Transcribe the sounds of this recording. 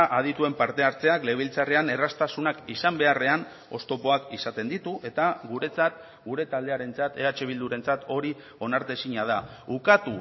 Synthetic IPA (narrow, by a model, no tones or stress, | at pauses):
ʔaðit̪ue̞mpaɾt̪e̞aɾt͡se̞akle̞β̞ilt͡sareane̞rast̪asunakisambe̞are̞an | o̞st̪o̞po̞akisat̪e̞nd̪it̪uʔe̞t̪aɡuɾe̞t͡sat̪ | ɡuɾe̞t̪ald̪e̞aɾe̞nt͡sat̪e̞at͡ʃe̞β̞ild̪uɾe̞nt͡sat̪o̞ɾi | o̞naɾt̪e̞siɲað̞a | ukat̪u